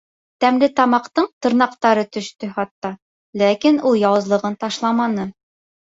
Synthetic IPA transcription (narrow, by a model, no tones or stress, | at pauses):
t̪æmlɘt̪ɑmɑqt̪ɤɴt̪ɤ̆ɾnɑqt̪ɑɾɤt̪ɵ̆ʃt̪ɵɦɑt̪ːɑ | lækinulˠjɑwɤ̆zlˠɤ̆ʁɤnt̪ɑʃlˠɑmɑnɤ